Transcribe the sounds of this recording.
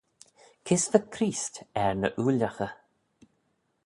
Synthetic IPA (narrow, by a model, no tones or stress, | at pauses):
kʰɪsvəkʰɾiːstɛɹnə̰ʔuːlaxə